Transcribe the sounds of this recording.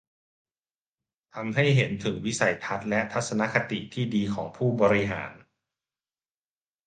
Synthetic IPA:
t̪ʰa˧mɦa˥˩jɦe˩˦nt̪ʰɯ˩˦ŋwi˦˥sa˩˦jt̪ʰa˦˥t̪̚lɛ˦˥ʔt̪ʰa˦˥t̪̚sa˧na˦˥kʰa˧t̪ḭ˨˩t̪ʰiː˥˩diː˧kʰɔː˩˦ŋpʰuː˥˩bɔː˧ɾi˦˥ɦa̰ː˩˦n

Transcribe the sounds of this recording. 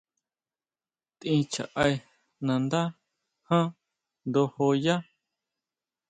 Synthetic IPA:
t̪ĩ˧t͡ʃa̰˨ʔa˧j | nã˧nd̪a˦ | hã˦ | nd̪o˧ho˧ja˦

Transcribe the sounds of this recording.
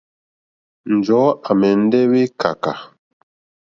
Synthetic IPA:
n̩˨d͡ʒɔ˨˦a˨mɛ˨n̩˦dɛ˦wi˦kʰa̰˨ka˨

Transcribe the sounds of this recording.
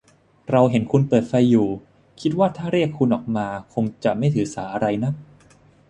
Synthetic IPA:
ɾa˧wɦe˩˦nkʰu˧npɤː˨˩t̪̚fa˧jːuː˨˩ | kʰi˦˥t̪̚waː˥˩t̪ʰaː˥˩ɾi˥˩əkʰːu˧nʔɔː˨˩k̚maː˧kʰo˧ŋt͡ɕa˨˩ma˥˩jt̪ʰɯː˩˦saː˩˦ʔa˧ɾa˧jna˦˥k̚

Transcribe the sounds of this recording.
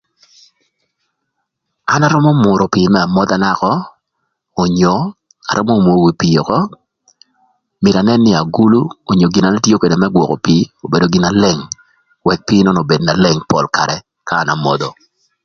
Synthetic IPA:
a˦na˦ɾʊ˦mɔ˦mʊ˨ɾo˨pi˨mɛ˦a˨mɔ˦d̪a˨na˦kɔː˦˨ | ɲo˨ | a̰˨ɾʔʊ˦mo˦mwo˨wi˨pi˨jo˨kɔ˦ | mɪ˨ɾa˨nɛ˦nːɪ˦a˨ɡu˦lu˦o˨ɲo˨ɡɪ˨na˨na˦tjo˦ke˨de˨mɛ˦ɡwɔ˨ko̰˨piː˨o˨be˨do˨ɡɪ˨na˦le˨ŋ | wɛ˦k̚piː˦nɔ˦nɔ˨be˨dna˨le˨ŋpɔ˨lka̰˨ɾɛ˨ | kaː˦˨na˨mɔ̰˦d̪o˨

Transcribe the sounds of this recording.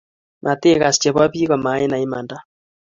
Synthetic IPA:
mʔa˨t̪e˦ɣa˨st͡ʃɛ˨βwa˦βiː˦ɣɔ˨ma˨˦e˦na˨i˦ma̰˨nda˦

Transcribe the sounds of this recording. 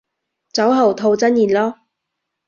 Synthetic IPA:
t͡sɐ˨˥wɦɐ˨˩wt̪ʰo˧wt͡sɐ˥njiː˨˩nlɔː˥

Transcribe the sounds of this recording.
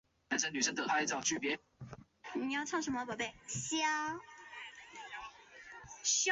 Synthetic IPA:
a˧˨˦nʂə˧˦ny˨˩ə˥nt̪ə˨˩pʰa˥i˥˩t͡sɑ˨˩ʊt͡ɕʰy˥˩pjɛ˧˦ | ni˨˦jɑ˥˧ʊʈ͡ʂʰɑ˥˩ŋʂə˧˥nmə˧˩wpe˥˩ɪɕjɑ˥˦˥ | ɕ

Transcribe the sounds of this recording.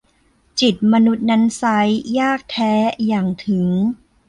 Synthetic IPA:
t͡ɕi˨˩t̪̚ma˧nu˦˥t̪̚na˦˥nsa˦˥jːaː˥˩k̚t̪ʰɛː˦˥jaː˨˩ŋt̪ʰɯ˩˦ŋ

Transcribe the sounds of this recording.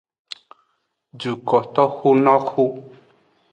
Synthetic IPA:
d͡ʒu˨kɔ˨t̪ɔ˦xu˦nɔ˦kʰu˦

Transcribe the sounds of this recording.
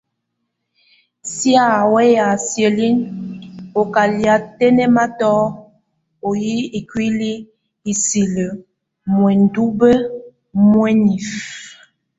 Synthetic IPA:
sja˦˨wɛ˦ja˨sje˨li˦n | o˨ka˨lja˨tɛ˦nɛ˦ma˦tɔ˦ | o˨ji˦i˨kwi˦li˦ | i˨si˨lə˨ | mwɛ˨n̩˨du˦bə˦ | mwɛ˦ni˨f

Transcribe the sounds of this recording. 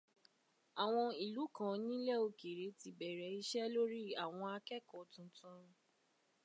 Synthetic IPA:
a˨w̃ɔ̃˧i˨lu˨˦kã˨˦nĩ˦lɛ˦o˧ke˨ɾe˨˦ti˨bɛ˨ɾɛ˨˦i˦ʃɛ˦lo˦ɾi˦a˨w̃ɔ̃˧a˧kɛ˦kɔ˨tũ˧˦tũ˦˧

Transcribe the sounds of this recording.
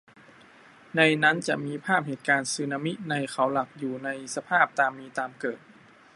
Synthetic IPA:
na˧jna˦˥˨nt͡ɕa˨˩ʔmiː˧pʰaː˥˩p̚heː˨˩t̪̚kaː˧nsɯː˧na˧mi˦˥ʔ̚na˧jkʰa˩˦wla˨˩k̚juː˨˩na˧jsa˧pʰaː˥˩p̚t̪aː˧mːiː˧t̪aː˧mkɤː˨˩t̪̚

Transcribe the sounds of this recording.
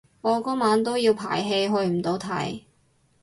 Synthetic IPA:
ɔː˨˧kɔː˥maː˨˥nt̪o˥wjiː˧wpʰa̰ː˨˩jɦe˧jɦɵ˧ɥm̩˨˩t̪o˨˧wt̪ʰɐ̰˨˩j

